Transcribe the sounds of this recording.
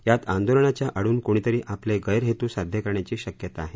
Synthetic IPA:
jat̪and̪olɳat͡ɕjaʔəɽuːnkoɽ̃it̪əɾiːʔapleɡəjəɾɦet̪uːsad̪ʱjəkəɾɳjat͡ɕiːɕəkjət̪aːɦe

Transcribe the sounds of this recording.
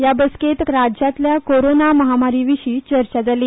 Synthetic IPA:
jabəsket̪ɾad͡ʑat̪ljakoɾonaməɦamaɾiʋiɕiːt͡ɕəɾt͡ɕad͡zali

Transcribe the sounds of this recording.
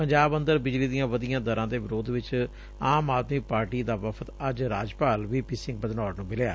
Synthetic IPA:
pəɲd͡ʒaːbə̃nd̪əɾbɪd͡ʒliːd̪ijãːʋəd̪ɪjãːd̪əɾãːd̪eːʋɪɾoːd̪ʋɪt͡ʃ | aːmaːd̪miːpaːɾʈiːd̪aːʋəpʰət̪əd͡ʒɾaːd͡ʒpaːlʋiːpiːsɪ̃ŋɡ̚bəd̪nɔːɽnũːbɪleja̰ː

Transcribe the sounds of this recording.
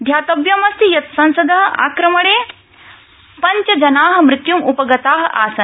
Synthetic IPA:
d̪ʱjaːt̪ɐbjɐmɐst̪ijɐt̪sɐ̃nsɐd̪ɐɦɐʔa̰ːkɾɐmɐɽeː | pɐɲt͡ʃɐd͡ʒɐnaːɦɐ̆mɾɪt̪jumupɐɡɐt̪aːɦɐ̆ʔaːsɐn

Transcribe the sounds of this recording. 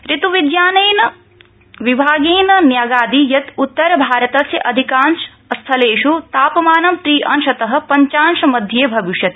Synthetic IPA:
ɾit̪uʋid̪jaːnɐjnɐ | ʋibʱaːɡeːnɐnjaːɡaːd̪ijɐt̪ut̪ːɐɾɐbʱaːɾɐt̪ɐsjɐʔɐd̪ʱikaːnʃ | ɐst̪ʰɐleːʂut̪aːpɐmaːnɐmt̪ɾiːʔɐnʃɐt̪ɐɦɐ̆pɐɲt͡ʃaːnʃɐmɐd̪ʱjeːbʱɐʋiʂjɐt̪

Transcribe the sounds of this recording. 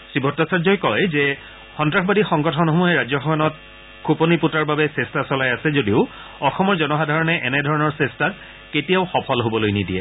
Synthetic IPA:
sɹibʱɔtːasazɔjkɔjzɛ | xɔntɹaxbadixɔŋɡɔtʰɔnɦomuɦɛɹad͡ʑɔxɔmanɔt̚ | kʰuponiputaɹbabɛsɛstasɔlajasɛzodiʊ | ɔxɔmɔɹzɔnɔxadʱaɹɔnɛʔɛnɛdʱɔɹɔnɔɹsɛsta | ketijaʊxɔpʰɔlɦobɔlojnidiɛ̰

